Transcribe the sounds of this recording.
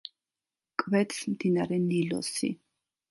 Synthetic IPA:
kʼvɛt̪smd̪inaɾɛnilɔ̰sḭ

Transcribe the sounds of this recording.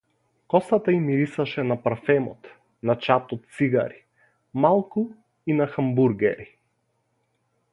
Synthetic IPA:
kɔsat̪aimiɾisaʃɛnapaɾfɛmɔ̰t̪ | nat͡ʃat̪ɔt̪̚t̪siɡa̰ɾi | malˠku | inaxambuɾɡɛ̰ɾi

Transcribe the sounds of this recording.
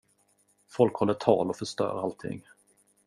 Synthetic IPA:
fɔlkhɔlːəʈʰɑːlɔfœʂt̪œ̰ːɾalt̪ʰɪ̰ŋː

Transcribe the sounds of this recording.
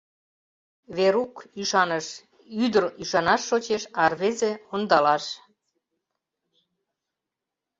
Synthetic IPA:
βeɾukyʃɑnəʃ | yd̪əryʃɑnɑʃːot͡ɕeʃɑrβezeond̪ɑlɑʃ

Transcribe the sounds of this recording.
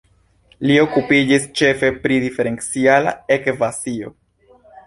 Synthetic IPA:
lio̞kupid͡ʒist͡ʃe̞fe̞pɾidife̞ɾe̞nt͡siala̰e̞kvasio̞̰

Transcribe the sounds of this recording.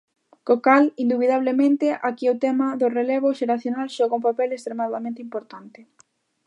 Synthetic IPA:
kokalind̪uβiðaβ̞lemẽnt̪eʔakiot̪ɛmɐðʊrelɛβ̞ʊʃeɾaθjonalʃɔɣoumpapɛlekst̪ɾemaðamẽnt̪impoɾt̪ant̪ɪ

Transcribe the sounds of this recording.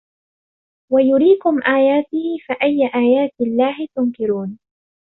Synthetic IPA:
wajʊɾiːkʊmʔaːjaːt̪ɪhɪfaʔajːaʔaːjaːt̪ɪlːaːhɪt̪ʊŋkɪɾuːn

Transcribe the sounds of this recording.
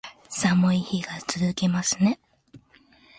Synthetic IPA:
samɯ̟içiɡ̥at͡sɨzɨke̞masɨne̞

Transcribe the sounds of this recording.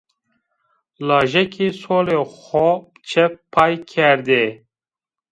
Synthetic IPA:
lɑːʒɛkʰiːsoːleːxɔ | t͡ʃʰɛppʰːɑːjkʰɛɾd̪e

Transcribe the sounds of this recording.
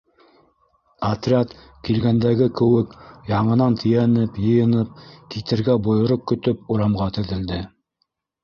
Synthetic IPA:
ɐt̪rʲat̪ | kilɡænd̪æɡɘkɵ̆wɘkjɑɴɤ̆nɑnt̪ʰɘ̆jænɘpjɤ̆jɤ̆nɤp̚kit̪ɘ̆ɾɡæbŏjŏɾoq̚kɵ̆t̪ɵp̚uɾɑmʁɑt̪ɵ̆ðɘ̆ld̪ɘ

